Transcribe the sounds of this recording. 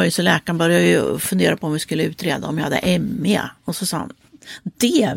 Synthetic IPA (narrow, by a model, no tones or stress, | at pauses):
ɪsɔlɛːkanbœɾjajɵfɵnd̪eːɾapʰɔɔmvɪskɵlːəʉ̟ːt̪ɾeːd̪a̰ɔmjɑhad̪ːə̰ʔɛmːɪa̰ɔsɔsɑ̰ːha̰n | d̪̥ɛ